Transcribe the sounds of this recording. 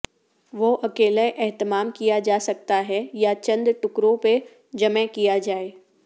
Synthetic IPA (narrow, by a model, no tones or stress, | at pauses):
ʋoʔɐkeːleʔɛɦt̪ɪmaːmkijad͡ʒaːsɐk̚t̪aɦɛjat͡ʃɐ̃nd̪ʈʊkɾõpe | d͡ʒɐmɛ̃kijad͡ʒaːeː